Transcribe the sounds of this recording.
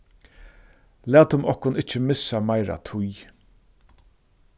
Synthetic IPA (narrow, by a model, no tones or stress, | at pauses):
læːt̪ʊmɔhkʊnɪht͡ʃːɪmɪsːamajɾa̰t̪ʰʊj